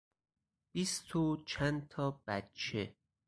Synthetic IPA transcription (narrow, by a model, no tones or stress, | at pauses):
b̥ist̪ʰot͡ʃʰænt̪ʰɒːb̥æt̪t͡ʃʰe̞